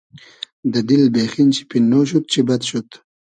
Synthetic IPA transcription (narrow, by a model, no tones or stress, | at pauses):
d̪əd̪ɪlbexint͡ʃi̥pinːoʃ̬ut̪̚t͡ʃibad̪ʃut̪